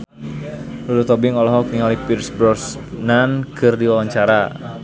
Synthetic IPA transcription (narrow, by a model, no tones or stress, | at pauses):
lulut̪ɔbɪŋɔlɔɦɔk̚niŋalipirsbɾɔs | nankɨrdiwawaɲt͡ʃaɾa